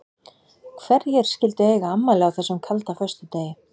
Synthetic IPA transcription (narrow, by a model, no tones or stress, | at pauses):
kʰvɛɾjɛɾ̥scɪlt̪ɪɛːɣamːalɛawθɛsːʏmkʰalt̪afœ̥st̪ʏt̪eːjɪ